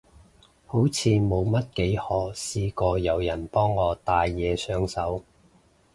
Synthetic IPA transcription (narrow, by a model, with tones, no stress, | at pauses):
ho˨˥wt͡sʰiː˨˧mo˨˧wmɐ˥t̚ke˨˥jhɔː˨˩siː˧kɔː˧jɐ˨˩wjɐ˨˩npɔː˥ŋːɔː˨˧t̪aː˨˧jːɛː˨˧sœː˧ŋsɐ˨˥w